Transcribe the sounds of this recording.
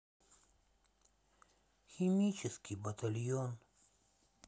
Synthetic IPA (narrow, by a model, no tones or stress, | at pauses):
ximit͡ʃɪskʲibɐt̪aljon